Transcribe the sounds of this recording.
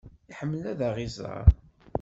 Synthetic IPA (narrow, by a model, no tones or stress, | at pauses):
iħəmːəlæðæʁizɑ̰ɾ